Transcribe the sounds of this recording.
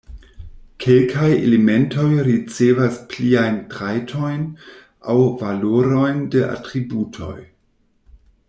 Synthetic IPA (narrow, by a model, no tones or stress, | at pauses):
kʰelkʰajḛlemento̞jɾit͡sevaspliajntɾajtʰo̞jn | ʔawvaloɾo̞jndeʔa̰tɾibutʰo̞̰j